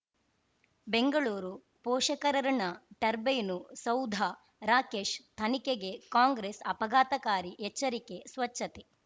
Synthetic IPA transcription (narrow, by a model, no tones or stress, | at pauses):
beŋɡɐɭuːɾu | pɔːʃɐkɐɾɐɾɐnɐʈɐɾbejnusɐwd̪ʱa | ɾaːke̞ːʃt̪ʰɐnikeɡe̞kaːŋɡɾeːsɐpɐɡʱaːt̪ɐkaːɾiʔɛt͡ʃːɐɾike̞sʋɐt͡ʃːɐt̪e